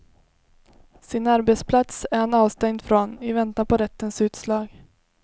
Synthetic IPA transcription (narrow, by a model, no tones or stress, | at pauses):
sɪnaɾbɛt̪spʰlat̪sæɾhanɑːvst̪ɛŋd̪fɾɔnɪvɛnt̪apɔɾɛt̪ːənsʉ̟ːt̪slɑːɡ